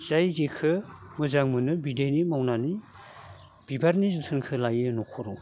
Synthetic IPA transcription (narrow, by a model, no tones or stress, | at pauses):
z̥ajzekʰɯmɯzaŋmɯnɯbidenimawnani | b̥ibaɾnizutʰɯnkʰɯlajɯnɔkʰɔɾɔ